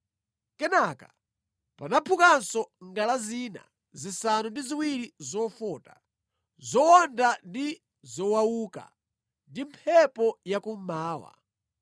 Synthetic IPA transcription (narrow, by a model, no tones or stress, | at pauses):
kɛnaka | panapʰukansɔŋɡalaziːna̰ | zisanundiziwiɾizɔfɔːta | zɔwɔndandi | zɔwawuːka̰ | ndimpʰɛpɔjakum̩maːwa̰